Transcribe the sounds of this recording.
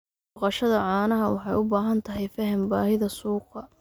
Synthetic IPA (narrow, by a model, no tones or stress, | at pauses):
qɑʃɐðɐʕɑːnɐɦɐwɑħɑjʊbaːɦɐnt̪ʰɐɦɛjfɐɦɪmbaːhɪðɐsuːqɐ